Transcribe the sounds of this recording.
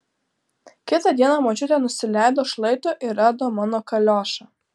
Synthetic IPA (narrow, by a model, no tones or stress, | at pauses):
kʲɪt̪ɐd̪ʲiɛnɐmoːt͡ʃʲʊt̪ʲeːnʊsʲɪlʲæˑɪd̪oːʃlˠɐɪt̪ʊʔɪɾæːd̪oːmɑːnoːkɐlʲoːʃɐ